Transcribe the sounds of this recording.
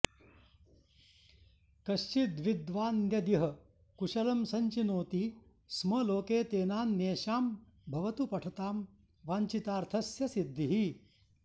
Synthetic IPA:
kɐʃt͡ʃid̪ʋid̪ʋaːnjɐd̪iɦɐ | kuʂɐlɐmsɐɲt͡ʃinoːt̪i | smɐloːkeːt̪eːnaːnːeːʃaːm | bʱɐʋɐt̪upɐʈʰɐt̪aːm | ʋaːɲt͡ʃit̪aːɾt̪ʰɐsjɐsid̪ʱːiɦi

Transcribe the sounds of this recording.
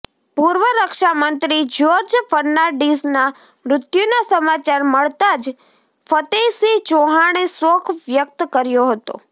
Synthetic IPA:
puɾʋəɾəkʃamənt̪ɾid͡ʒoɾd͡ʒfəɾnaɖisna | mɾʊt̪junasəmat͡ʃaɾməɭt̪ad͡ʒ | fət̪esid͡ʒoɦaɽ̃esokʰʋjək̚t̪kəɾjoɦət̪o̰

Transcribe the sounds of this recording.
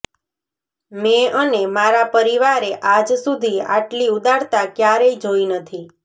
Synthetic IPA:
meənemaɾapəɾiʋaɾeʔad͡ʒsud̪ʱia̰ʈliud̪aɾt̪akjaɾəid͡ʒoinət̪ʰi

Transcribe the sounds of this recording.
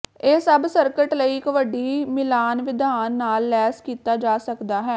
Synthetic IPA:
eːsəbsəɾkəʈləiːkəʋəɖiːmɪlaːnʋɪd̪aːnːaːlːɛːskiːt̪aːd͡ʒaːsəkd̪aːɦɛː

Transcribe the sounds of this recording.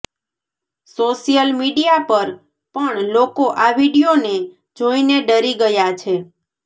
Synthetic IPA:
soʃijəlmiɽijapəɾ | pəɳlokoʔaʋiɽijone | d͡ʒoineɖəɾiɡəjat͡ʃʰe

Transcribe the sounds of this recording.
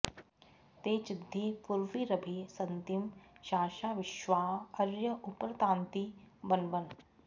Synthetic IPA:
t̪eːt͡ʃɪd̪ʱːepʊɾʋiɾɐbʱesɐnt̪imʃaːʃaːʋɪʃʋaːɐɾjəʔʊpɾɐt̪ãːnt̪ibɐnbən

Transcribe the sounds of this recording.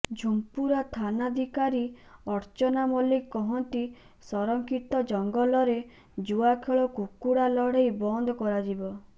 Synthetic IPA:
d͡ʒʱumpuɾat̪ʰanad̪ʱikaɾiɔɾt͡ʃɔnamɔlikɔɦɔnt̪i | sɔɾɔŋkʰit̪ɔd͡ʒɔŋɡɔlɔɾe | d͡ʒuakʰeɭɔkukuɽalɔɽ̤ejbɔnd̪ʱɔkɔɾad͡ʒibɔ

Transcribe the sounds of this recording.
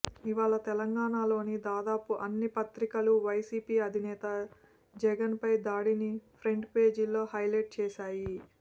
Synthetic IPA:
iʋaːɭɐt̪ɛlɐŋɡaːɳaːlo̞ːnid̪aːd̪aːpuʔɐnːipɐt̪ɾikɐluʋɐjsiːpiːɐd̪ʱinɛːt̪ɐ | d͡ʒɛɡɐnpɐjd̪aːɽinipʰɾeɳɖpe̞ːd͡ʒilːo̞ːhɐjleːʈ̚t͡ʃɛːʃaːji

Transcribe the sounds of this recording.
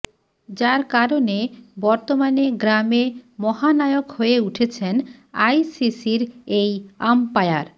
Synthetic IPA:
d͡ʑaɾkaɾonebɔɾt̪omaneɡɾamemɔɦanaeokhoeuʈʰet͡ɕʰenajsisiɾejampaeaɾ

